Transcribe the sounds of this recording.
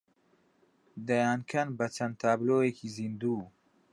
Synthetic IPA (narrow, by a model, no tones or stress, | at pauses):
d̪ɐjaːnkʰɐnbɐt͡ʃʰɐnt̪ʰaːbloːjeːkʰizind̪uː